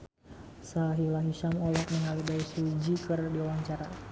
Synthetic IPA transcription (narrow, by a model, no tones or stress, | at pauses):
saɦilaɦiʃamɔlɔk̪̚nəŋalibaisud͡ʒikərdiuwaŋt͡ʃaɾa